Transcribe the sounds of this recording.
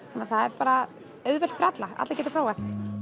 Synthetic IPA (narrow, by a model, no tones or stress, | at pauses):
hanːaɾθaðɛɾpaːɾa | œðvɛlt̪fɾat̪laa̰t̪lacɛt̪ɪfʰɾaːwaθ